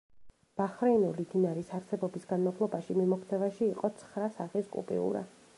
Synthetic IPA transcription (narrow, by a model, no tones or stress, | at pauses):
b̥aχɾɛnulid̪inaɾisaɾsɛbɔbisɡanmapʰlˠɔbaʃimimɔkʰt̪ʰɛvaʃiːqʼɔt̪sʰχɾasaχiskʼṵpʼḭṵɾa̰